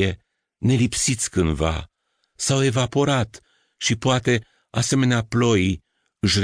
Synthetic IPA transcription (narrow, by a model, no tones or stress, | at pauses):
e̞ | ne̞lipsit̪sʲkɨnd̪va̰ | sawe̞vapo̞ɾat̪ | ʃipoat̪e̞ | ase̞me̞neaplo̞j | ɨʃr